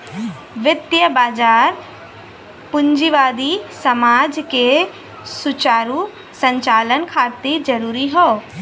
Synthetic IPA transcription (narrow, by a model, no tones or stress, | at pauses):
ʋɪt̪jəbaːd͡ʒaːɾ | pʊɲd͡ʒiʋaːd̪isɐmaːd͡ʒke | sʊt͡ʃaːɾu | sə̃ɲt͡ʃaːlənkʰaːt̪id͡ʒɐɾuːɾiɦoː